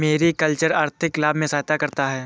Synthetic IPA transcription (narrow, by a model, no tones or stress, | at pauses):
meːɾikɐlt͡ʃəɾaːɾt̪ʰɪklaːbmẽsaːɦt̪akɐɾt̪aɦɛː